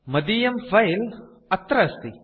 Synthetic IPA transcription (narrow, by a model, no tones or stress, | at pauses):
mɐd̪ijɐmfɐjl | ɐt̪ɾɐst̪i